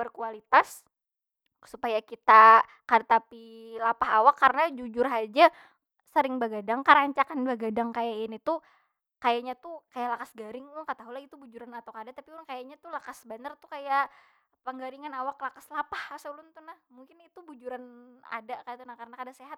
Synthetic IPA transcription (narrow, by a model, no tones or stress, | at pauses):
bərkualit̪as | supajakit̪a | kadt̪api | lapahawakːarənad͡ʒud͡ʒʊrɦad͡ʒa | səɾɪŋbaɡadaŋkaɾaɲt͡ʃakanbaɡadaŋkajaɪnit̪u | kajaɲat̪ukajaʔlakasɡaɾɪŋlʊŋkat̪aɦulait̪ubud͡ʒuɾanat̪awkadat̪apiuɾaŋkajaɲat̪ulakasbanart̪ukaja | pəŋɡaɾiŋanawaklakaslapahasalʊnt̪unahmuŋkɪnit̪ubud͡ʒuɾana̰dakajat̪unahkarnakadaseɦat̪̚